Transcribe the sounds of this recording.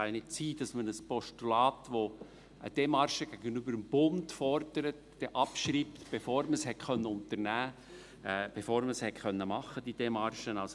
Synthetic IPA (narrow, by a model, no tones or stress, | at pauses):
ɑjnɪt̚t͡siːd̥ɑsmənəspɔʃtulɑːtʋo | ʔə̰d̥emɑɾʃəɡ̥æɡənybəɾəmb̥ʊndfɔɾdəɾətd̥ɛʔɑpʃriːptb̥efoːɾməshɛtkœnːəʊnt̪əɾnæː | b̥efoːɾməshɛtχœnːəmɑχːəd̥id̥emɑɾʃənɑls